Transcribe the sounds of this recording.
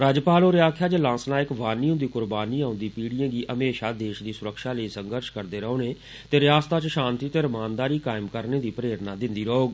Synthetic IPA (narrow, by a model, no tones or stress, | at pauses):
ɾaːd͡ʒpaːloːɾɪaːkʰjaːd͡ʒəlãːsnaːɪkʋaːniːɦʊ̃nd̪iːkʊɾbaːniːaːʊ̃nd̪iːpiːɽijãːɡiːʔəmeːʃaːd̪eːʃd̪iːsʊɾəkʃaːləiːsəŋɡəɾʃkəɾd̪eːɾəoːneː | t̪eːɾɪjaːst̪aːt͡ʃʃaːnt̪iːt̪eːɾəmaːnd̪aːɾiːkaːɪmkəɾneːd̪iːpɾeːɾnaːd̪ɪnd̪iːɾəoːɡ